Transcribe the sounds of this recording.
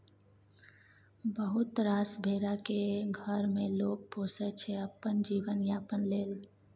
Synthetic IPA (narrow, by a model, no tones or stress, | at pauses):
bəɦʊt̪ɾaːsbʱeːɾakeɡʱəɾmẽloːɡ̚poːsɛt͡ʃʰɛəpənd͡ʒiːʋənjapənleːl